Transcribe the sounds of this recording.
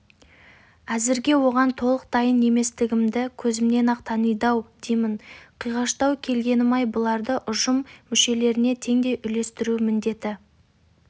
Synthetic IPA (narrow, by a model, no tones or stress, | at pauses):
æzɪɾɡʲe̞wo̞ʁɑnt̪ʰo̞lˠəq̚d̪ɑjənːe̞me̞st̪ɪɡʲɪmd̪ɪkʲʰɵzɪmne̞nɑqt̪ʰɑnəjd̪ɑwd̪̥ejmɪɴqʰijʁɑʃt̪ɑwkʲʰe̞lɡʲe̞nɪmɑjbʊlˠɑɾd̪əʔʊʒəmːʏʃe̞le̞ɾɪne̞t̪ʰe̞ŋd̪e̞jʔʏle̞st̪ɪɾumɪnd̪e̞t̪ɪ